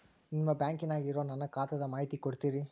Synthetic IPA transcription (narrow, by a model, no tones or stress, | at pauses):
niʋɐbjaːŋkinaːɡɪɾoːnɐnːɐkaːt̪ɐd̪ɐmaːɦit̪ikɔɽɯt̪ːiːɾi